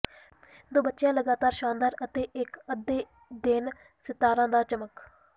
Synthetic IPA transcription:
d̪oːbətːʃjãːləɡaːt̪aːɾʃãːnd̪aːɾət̪eːʔɪkəd̪eː | d̪ɪn | sɪt̪ːaːɾãːd̪aːt͡ʃəmək

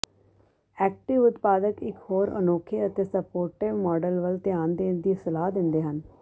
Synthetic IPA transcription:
ɛːk̚ʈɪʋʊt̪paːd̪əkɪkhoːɾə̰noːkʰeːət̪eːsəpoːɾʈɪʋmɔːɖəlʋəlt̪jaːnd̪eːnd̪iːsəlaːd̪ɪ̃nd̪eːɦən

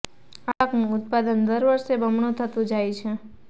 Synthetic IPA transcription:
aɭəknũʊt̪̚pad̪ənd̪əɾʋəɾʃebəmɳũt̪ʰət̪ũd͡ʒajt͡ʃʰe

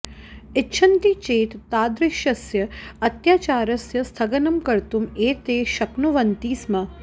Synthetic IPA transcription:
ɪtːʃʰɐnt̪it͡ʃeːt̪ːaːd̪ɾɪʃjɐsjɐɐt̪jaːt͡ʃaːɾɐsjɐst̪ʰɐɡɐnɐmkɐɾt̪umeːt̪eːʃɐknuʋɐnt̪iːsmɐ

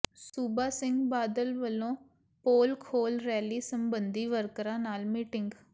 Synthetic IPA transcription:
suːbaːsɪ̃ŋɡbaːd̪əlʋəlõː | poːlkʰoːlɾɛːliːsəmbənd̪iːʋəɾkɾãːnaːlmiːʈɪŋɡ

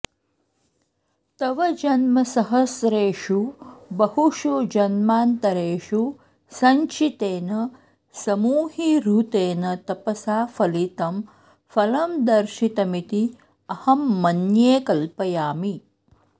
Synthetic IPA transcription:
t̪ɐʋɐd͡ʒɐnmɐsɐɦɐsɾeːʃubɐhuʃud͡ʒɐnmaːnt̪ɐɾeːʃu | sɐɲt͡ʃit̪eːnɐ | sɐmuːɦiɾut̪eːnɐt̪ɐpɐsaːfʰɐlit̪ɐm | fɐlɐmd̪ɐɾʃit̪ɐmit̪i | ɐhɐmːɐnjeːkɐlpɐjaːmi

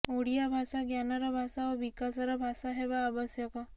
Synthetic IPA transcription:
uɽijabʱasaɡjanɔɾɔbʱasaobikasɔɾɔbʱasaɦebaːbɔsjɔkɔ

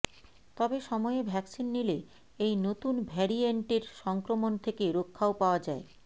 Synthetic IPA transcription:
t̪ɔbeʃɔmɔebʱɛksinːile | ejnot̪unbʱɛɾieɳʈeɾʃɔŋkɾomont̪ʰekeɾokʰːaopaoad͡ʑae

